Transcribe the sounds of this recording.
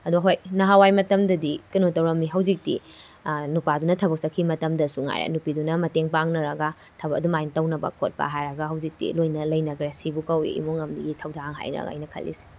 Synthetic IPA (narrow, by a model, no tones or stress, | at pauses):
ɐduɐɦojnɐɦawajmɐtɐmdɐdikɐnutɐwɾɐmːiɦɐwzik̚tḭ | nupadunɐtʰɐbɐk̚sɐkʰːimɐtɐmdɐsuŋa̰jɾḛnupidunɐmɐteŋpaŋnɐɾɐɡɐ | tʰɐbɐɐdumajntɐwnɐbɐ̰kot̚pa̰ɦajɾɐɡɐɦɐwzik̚tḭlojnɐlɐjnɐɡɾesibukɐwḭḭmuŋɐmdiɡitʰɐwdaŋɦa̰jɾɐ̰ɡa̰ːjnɐkʰɐ̰lːḭsi̥